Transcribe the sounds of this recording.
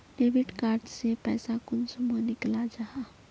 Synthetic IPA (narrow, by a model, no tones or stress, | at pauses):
neːʋɪʈkaːɾʈsepɛːsakʊnsumanɪklad͡ʒaɦaː